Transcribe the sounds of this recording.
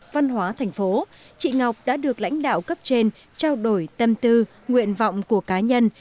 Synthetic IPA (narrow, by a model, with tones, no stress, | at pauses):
va˧nɦwaː˨˦t̪ʰa˨˧˩jŋ̟fo˨˦ | t͡ɕḭ˧˨ŋa˨˩wk͡p̚ɗa̰ː˧˥ɗɨ˨˩ək̚la̰˧˥jŋ̟ɗa̰ː˧˨wkə˦˥p̚t͡ɕe˧n | t͡ɕaː˧wɗo˧˩jt̪ə˧mt̪ɨ˧ | ŋwḭ˧˨ənvɔ̰˧˨wŋ͡mku˧˩əkaː˨˦ɲə˧n